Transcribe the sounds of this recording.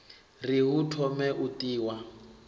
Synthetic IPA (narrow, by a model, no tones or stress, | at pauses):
riɦutʰɔmɛʔutiːwa